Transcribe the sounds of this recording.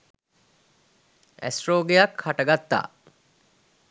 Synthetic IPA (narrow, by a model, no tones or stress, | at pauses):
ʔæ̰sʈroːɡejɐkhɐʈɐɡɐt̪ːa̰ː